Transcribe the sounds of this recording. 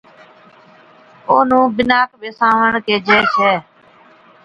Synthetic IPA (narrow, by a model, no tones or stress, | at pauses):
oːnũːbɪnaːkʋeːsãːʋəɳkeːd͡ʒɛːʃɛː